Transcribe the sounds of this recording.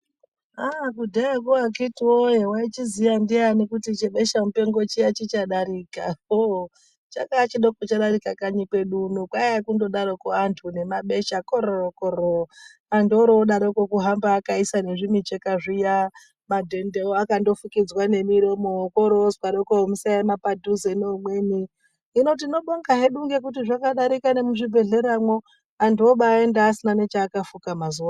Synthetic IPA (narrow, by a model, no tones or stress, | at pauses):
akudʱaakoakitiwojewait͡ʃizijandianekutit͡ʃeɓeʃamupe̞ŋɡo̞t͡ʃijat͡ʃit͡ʃaɗaɾiːkao | t͡ʃa̰kat͡ʃiɗokot͡ʃaɗaɾikakaɲikwe̞ɗunokwaakundo̞ɗaɾokoantʰune̞maɓe̞ʃakoɾokoɾo | andoɾoɗaɾokokuɦambaːkaisane̞ʐimit͡ʃekaʐija | madʱe̞ndeoakando̞fukid͡zwane̞miɾomokoɾozkaɾokomusajemapadʱuzenoːmwe̞niː | no̞t̬ino̞ɓo̞ŋɡaɦeɗuŋɡe̞k̬utiʐakaɗaɾikane̞muʐibʱe̞ɮe̞ɾamo̞ | antuoɓaːendaːsinane̞t͡ʃaːkafukamazuwa